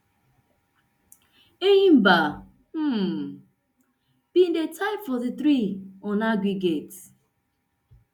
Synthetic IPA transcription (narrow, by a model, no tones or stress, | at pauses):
ejim̩ba | m̩ | b̥indetʰaɪpfɔðitɾiɔnaɡɾiɡet